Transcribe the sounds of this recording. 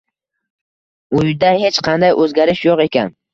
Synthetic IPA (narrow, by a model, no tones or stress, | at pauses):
ʊjd̪ahet͡ʃqʰɑnd̪ajʔɵzɡʲaɾɪʃjoqe̞kʲʰan